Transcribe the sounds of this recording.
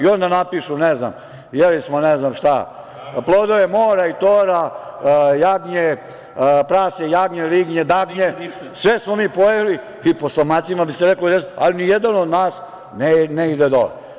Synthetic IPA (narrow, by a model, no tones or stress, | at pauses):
io̞nd̪anapiʃunezna̰m | jelismoneznamʃt̪a̰ | plˠoːd̪oʋemoːɾait̪oːɾa | jaɡɲe | pɾaːsejaɡɲeliɡɲed̪aɡɲe | sʋesmomiːpojeli | iposlomat̪simabiseɾeklod̪esalinijed̪anod̪naːs | neneid̪ed̪o̰l̰